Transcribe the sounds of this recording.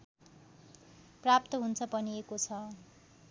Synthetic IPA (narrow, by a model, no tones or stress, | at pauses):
prap̚t̪ʌɦunt͡sʰʌpʌniekot͡sʰʌ